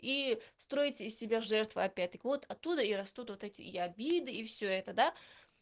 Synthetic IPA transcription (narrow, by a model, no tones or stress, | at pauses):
ist̪ɾo̞ɪtʲɪːsʲsʲɪbʲaʐɛrt̪vɨ̰ɐpʲːæt̚ʲt̪əkʲɪvo̞t̪ɐt̪ːud̪əiɾɐst̪ut̪vot̪ɛtʲɪ̰iɐbʲid̪ɨifsʲɵɛt̪əd̪a